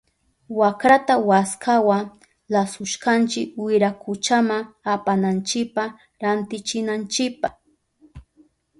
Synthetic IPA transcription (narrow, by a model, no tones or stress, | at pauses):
wakɾat̪awaskawa | lasʊʃkant͡ʃɪkwɪɾakʰʊt͡ʃamaŋ | apanant͡ʃɪk̚pa | ɾant̪ɪt͡ʃɪnant͡ʃɪkpaχ